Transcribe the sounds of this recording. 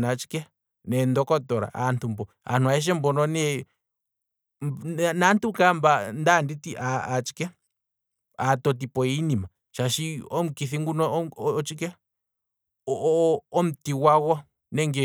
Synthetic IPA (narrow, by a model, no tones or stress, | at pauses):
nãt͡ʃi̥ke | nẽnd̪okɔt̪oɾa̰ʔa̰nt̪umboa̰nũãeʃ̬embonõnẽ | nãnt̪ukamband̪andit̪iʔaːt͡ʃi̥ke | at̪ot̪̬ipoinĩmã | ʃaʃiomkiθiŋɡunɔt͡ʃike | omt̪iwaɣwa | nẽŋɡe